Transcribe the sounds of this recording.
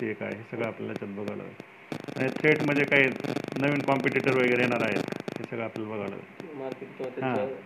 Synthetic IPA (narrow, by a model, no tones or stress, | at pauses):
eka̰ḛɦesəɡɭaaplja̰lat͡ɕət̪̚bəɡʱaʋlə̰ʋ̰ | aɽ̃it̪ʰɾeʈm̤əɳd͡zʱekaɦiːnəʋiːnkɔmpiʈiʈəɾʋəɡəɾejeɽ̃aɾaɦet̪hesəɡɭaːpljalabəɡʱaʋlə̰ʋ̰maɾkeʈt̪ot̪ɦã